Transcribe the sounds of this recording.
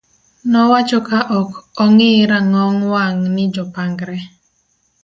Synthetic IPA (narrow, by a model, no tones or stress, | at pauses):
nɔwat͡ʃɔkaʔɔkɔŋɪɾaŋɔŋwaŋnɪd͡ʒɔpaŋɡɾɛ